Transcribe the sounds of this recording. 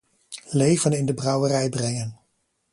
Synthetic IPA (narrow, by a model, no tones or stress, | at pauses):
lejvənɪndəbrɑwərɛjbrɛŋən